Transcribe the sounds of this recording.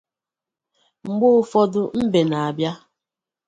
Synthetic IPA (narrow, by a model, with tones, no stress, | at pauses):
ŋ͡m̩˨ɡ͡bʊ˦ʊ˦fɔ˦dʊ˦m̩˦be˨na˨a˨bja˦